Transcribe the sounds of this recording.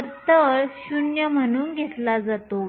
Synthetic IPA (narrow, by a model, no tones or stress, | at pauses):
t̪əɾɕunjəm̤əñuːnɡʱet̪lad͡zat̪o